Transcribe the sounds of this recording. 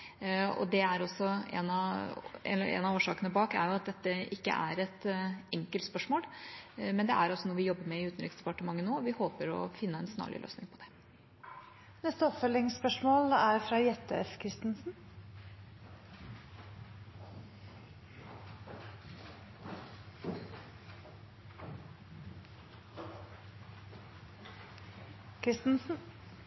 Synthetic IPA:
ɔ̰d̪ɛæɾɔsːɔɛ̰nɑɛ̰ɛ̰nɑoːʂɑːkənəbɑːkæ̰ɾjʊɑt̪̚d̪ɛt̪ːəɪkːə̰ʔæ̰ɾɛt̪ɛŋkəlt̪spœʂmoːlmɛnd̪ɛʔæɾɑsːɔnɔɾʋɪjɔbːəɾmɛɪʉːt̪nɾɪksd̪ɛpɑʈəmɑŋːənoːʋɪhoːpəɾɔ̰fɪnːəɛnsnɑ̰ːɭʔɪ̰lø̰ːsnɪŋpʰɔd̪ɛ̥ | nɛst̪əɔpfœlːɪŋspœʂmoːlæɾfɾɑːjɛt̪ːəɛfkʰɾɪst̪n̩sn̩ | kʰɾɪst̪n̩sn̩

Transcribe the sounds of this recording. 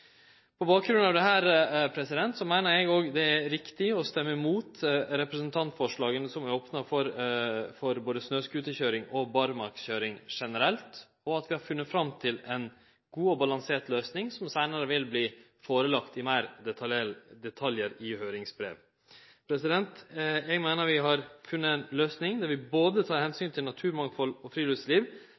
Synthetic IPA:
pʰɔbɑːk̚ɡɾʉnɑʋd̪ɛɦæːɾpʰɾɛsɪd̪ɛnt̪sɔmæɪnəɾɛɡoːɡd̪ɛæɾɪkt̪ɪɔst̪ɛmːəɪmuːt̪ɾɛpɾɛsənt̪ʰɑnt̪fɔʂɭɑːɡənəsɔmæɾoːpnɑfɔɾfɔɾboːd̪əsnøːskʉːt̪əçøːɾɪŋɔbɑɾmɑɾksçøːɾɪŋʂɛnəɾɛlt̪ | ɔɑt̪ʋɪhɑɾfʉnːət̪fɾɑmt̪ʰɪlɛn | ɡ̥uːɔbɑlɑŋseːʈ̪løːsnɪŋsɔmsæɪnəɾəʋɪlbliː | foːɾəlɑkt̪ɪmeːɾd̪ɛt̪ʰɑd̪ɛt̪ʰɑljəɾɪhøːɾɪŋsbɾḛːʋ | pʰɾɛsɪd̪ɛnt̪jɛɡmeːnəɾʋɪɦɑɾfʉnːəɛnløːsnɪŋd̪æɾʋɪboːd̪ət̪ʰɑːɾhɛnsyːnt̪ʰɪlnɑt̪ʰʉːɾmɑŋfɔlɔfɾiːløsliːʋ

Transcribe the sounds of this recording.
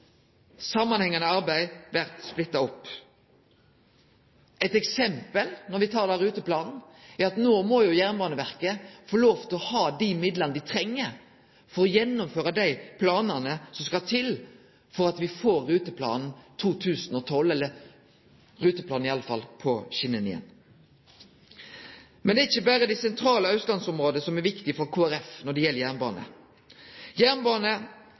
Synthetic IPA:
sɑmːɑnhɛŋːɑnəɑɾbæɪʋæʁt̪splɪt̪ːɑɔpː | ʔɛt̪ɛksɛmpəlnɔɾʋɪt̪ʰɑːɾd̪ɑɾʉːt̪əplɑːnn̩æɾɑt̪noːmɔːjʊjæʁnbɑːnəʋæʁkəfoːloːʋt̪ʰɪlɔhɑːd̪imɪd̪lɑnəd̪ɪt̪ʰɾɛŋːə | fɔɾɔjɛnːʊmføːɾɑd̪æɪpʰlɑːnənəsɔmskɑt̪ʰɪl | fɔɾɑt̪ʋɪfoːɾːʉːt̪əpʰlɑ̰ːnn̩t̪ʰuːt̪ʰʉːsnɔt̪ʰɔlːɛlːə | ɾʉːt̪əplɑːnɪɑlːəfɑlpʰɔɕɪnːənɪɛ̰n | mɛnd̪ɛːɪçːəbæːɾəd̪æɪsɛnt̪ʰɾɑːləɑʉt̪lɑnsɔmʁoːd̪ənəsɔmæɾʋɪkt̪ɪfɔɾkʰuːæɾɛfnɔɖ̪ɛjɛlːəjæʁnbɑ̰ːnə̰ | jæːʁnbɑːnə

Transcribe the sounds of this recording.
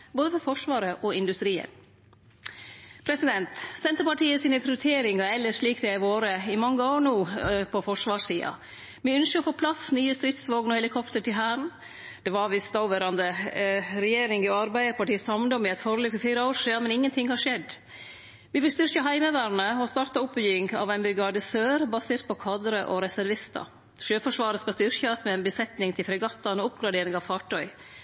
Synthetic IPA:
boːd̪əfɔfɔʂʋɑːɾəʔɔɪnd̪ʉst̪ɾiːə̰n | pʰɾɛsɪd̪ɛnt̪sɛnt̪əpɑʈiːəsiːnəpʰɾɪʊɾʉt̪ʰeːɾɪŋɑɛlːəʂɭiːkd̪ɛæɪʋoːɾəɪmɑŋːəoːɾɳuːpʰɔfɔʂʋɑːʂsiːɑ̰ | mɪʉnskəɾɔfoːpʰlɑsnyːəst̪ɾɪt̪sʋoːɡnɔhɛlɪkʰɔpt̪əʈɪlɦæːɾən̩ | d̪̥ɛʋɑɾʋɪst̪ɑʊʋeːɾɑnd̪əɾɛjeːɾɪŋɔɑɾbæɪəɾpɑʈiːsɑmnd̪ɔmɪɛɪt̪fɔɾəlyːfɔɾfiːɾəoːɾʂiːɑmɛnɪŋːənt̪ʰɪŋːhɑʂɛd̪ː | ʋɪʋɪlst̪ʏɾçəɦæɪməʋæːɾnəɔst̪ɑːɾt̪ɑʊpːjyːɪŋɑ̰ʋæɪnbɾɪɡɑd̪əsøːɾbɑseːɾt̪̚pɔkʰɑːd̪ɾəʔɔɾɛsæɾʋɪst̪ɑ̰ | ʃøːfɔʂʋɑːɾəskɑst̪ʏɾçəsmɛɛnbəsɛt̪nɪŋt̪ʰɪlfɾɛɡɑt̪ːɑnɔʊpɡɾɑd̪eːɾɪŋɑʋfɑːʈʰœʏ

